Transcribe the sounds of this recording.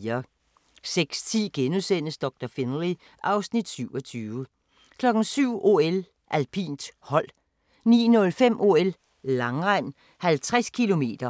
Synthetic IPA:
ɐ | seɡ̥st͡sʰḭːɡ̥enusen̰əsd̥ɒ̽ɡ̥̚d̥ɐfenli | ʔɑ̈ʊsnid̥syʊɒ̽t͡sʰyːʋə | kʰlɒ̽ɡ̥ŋ̩syʊ̰ʔo̝̰el | ʔælpʰḭːnd̥hɒ̽l̰ | nḭːnɔ̽lfem̰ʔo̝elː | ɑ̈ŋʁɑɪ̰m | hælt͡sʰʁaskʰilo̝me̝̰ːd̥ɐ

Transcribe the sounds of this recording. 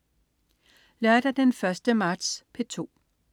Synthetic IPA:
læɐd̥ɑd̥enfɶɐsd̥əmɑ̈ːd̥spʰet͡sʰo̝̰ː

